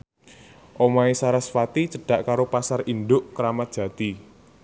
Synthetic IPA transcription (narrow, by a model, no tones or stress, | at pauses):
ʔomaesaɾasfat̪it͡ʃəɖ̥a̤ʔkaɾopasarind̪ʊʔkəɾamat̪̚dʒ̥ä̤d̪̥i